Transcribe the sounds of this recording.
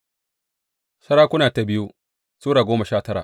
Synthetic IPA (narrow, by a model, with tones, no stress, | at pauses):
sɐ˦ɽaː˦kʷʊ˦naː˨ta˨bɪ˦ju˦ | suː˦ɽaː˨ɡʷoː˦mɐ˨ʃaː˦˨tɐ˦ɽa̰˨ʔ